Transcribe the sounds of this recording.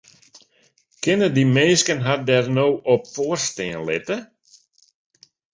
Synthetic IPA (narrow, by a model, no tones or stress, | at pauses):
kɪnədimeːskənɦadɛrnoːʔɔpfoːrsteənlɪ̰tə